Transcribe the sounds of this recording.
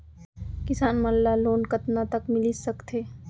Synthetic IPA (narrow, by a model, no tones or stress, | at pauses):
kɪsaːnmɐlːaloːnkɐt̪nat̪ɐkmɪlisɐkt̪ʰeː